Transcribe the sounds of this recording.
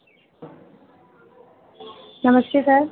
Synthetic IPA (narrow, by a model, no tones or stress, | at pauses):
nəməskesə